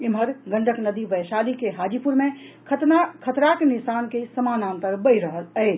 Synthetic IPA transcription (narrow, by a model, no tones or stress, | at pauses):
imɦəɾɡəɳɖəknəd̪iʋəjʃalikeɦad͡ʒipuɾmekʰət̪nakʰət̪ɾakenisankesəmanãnt̪əɾbəjɾəɦələɪ